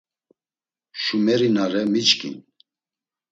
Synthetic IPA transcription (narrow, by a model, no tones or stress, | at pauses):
ʃumɛɾinaɾɛmit͡ʃkʰʼḭn